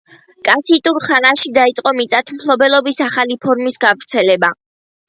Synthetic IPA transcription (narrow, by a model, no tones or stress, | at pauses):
kʼasit̪ʼuɾχanaʃid̪ait̪sʼqʼɔmit̪sʼat̪ʰmpʰlɔbɛlˠɔbisaχalipʰɔɾmisɡavɾt̪sʰɛlɛba